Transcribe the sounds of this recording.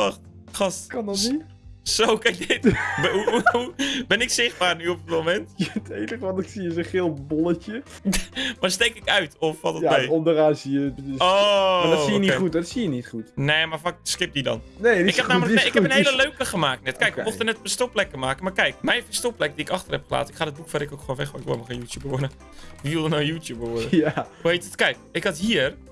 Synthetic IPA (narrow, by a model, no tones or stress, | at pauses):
ɔx | xɔtkɑndɔtni | sowkɛk̚dɪtuubɪnɪksɪχbaːrnyɔp̚əətmomɛntɛtejtəχəʋɔnɪksiəsoχɪlˠbolətə | ʋastejkɪkœɥtɔfʋɔtɔjaeɔmdəraːsiəbəodsiəniχutɔtsijənitχutneːmafak̚skɪp̚didɔ̰nneːɪkhɛnaːmələɪkɛpənheːləløːkəχəmaːk̚tnɛtkɛjkʋəmoxtənɛtpəstoplɛkəmaːkənmarkɛjkmɛjfəstoplɛk̚diɪkɑxtərhɛpχəla̰ːtəɪkχaːdət̚bukfɛɾɪkokxoːnʋɛxʋaɪkʋo̰maxanjuːtjubəʋʊdə | ʋiʋɪlˠdənowjuːtjubəʋodəauhejtətkɛjk̚ɪkhatɦiːər